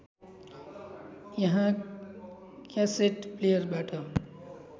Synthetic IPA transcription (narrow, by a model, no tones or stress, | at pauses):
jʌɦã | kaseʈplejəɾbaʈʰə